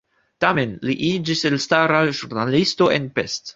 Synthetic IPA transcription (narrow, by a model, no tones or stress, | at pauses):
tame̞nliʔid͡ʒiselstaɾaʒuɾnalisto̞ʔḛnpest